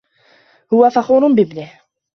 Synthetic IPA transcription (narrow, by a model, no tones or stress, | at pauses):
hʊwːæfɑxʊɾˤʊnbibnih